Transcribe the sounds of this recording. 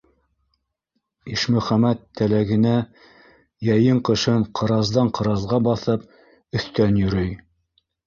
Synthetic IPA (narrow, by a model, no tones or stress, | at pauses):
iʃmɵ̆χæmæt̪ʰːælæɡɘ̆næ | jæjɤɴqɤ̆ʃɤɴqʰɤ̆ɾɑzd̪ɑɴqɤ̆ɾɑzʁɑbɑθɤp | ɵ̆θt̪ænjɵ̆ɾɵj